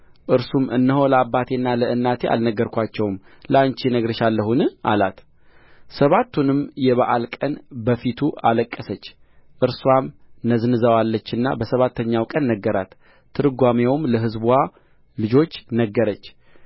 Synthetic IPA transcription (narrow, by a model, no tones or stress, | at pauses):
ʔɨɾsumʔɨ̰nːəɦoləabːat̪ʰe̞nːaləʔɨnːat̪ʰe̞ʔa̰lnəɡːəɾkʷat͡ʃːɛwm | ləant͡ʃenəɡɾɨʃalːəɦunɨʔa̰lat̪ | səβat̪ʰːunɨmjɛβaʔalkʼənbəfit̪ʰualəkʼːəsət͡ʃː | ʔɨɾswamnəznɨzəwalːət͡ʃːɨnːa̰bəsəβat̪ʰːəɲːawkʼənːəɡːəɾat̪ʰː | ɨɾɨɡʷamewmləɦɨzbwa | lɨd͡ʒo̞t͡ʃːnəɡːəɾət͡ʃː